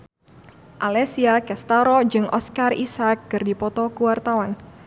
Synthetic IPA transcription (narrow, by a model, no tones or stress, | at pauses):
ʔalɛsiakɛst̪aɾɔd͡ʒɨŋʔɔ̰skarḭsak̚ːɨrdipɔt̪ɔkuwart̪awan